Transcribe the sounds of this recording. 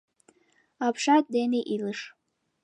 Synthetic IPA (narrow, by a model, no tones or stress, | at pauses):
apʰʂatdeneʔilɨʂ